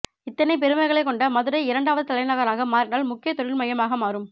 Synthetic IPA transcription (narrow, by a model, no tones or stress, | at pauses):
ɪt̪ːɐnɐɪp̬ɛɾɯmɐɪɣɐɭɐɪkːɔɳɖɐmɐðɯɾɐɪɪɾɐɳɖaːʋɐðɯt̪ɐlɐɪnɐɣɐɾaːɣɐmaːɾɪnaːlmʊkːɪjɐt̪ɔɻɪɭmɐjɐmaːɣɐmaːɾɯm